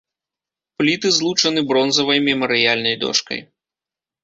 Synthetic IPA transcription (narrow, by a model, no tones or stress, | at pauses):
plʲit̪ɨzlˠut͡ʂɐnɨbɾɔnzɐvɐjmʲɛmɐɾɨjalʲnɐjd̪ɔ̰ʂkɐ̰j